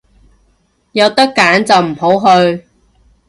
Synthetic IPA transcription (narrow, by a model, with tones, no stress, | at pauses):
jɐ˨˧wt̪ɐ˥kːaː˨˥nt͡sɐ˨wm̩˨˩ɦo˨˥wɦɵ˧ɥ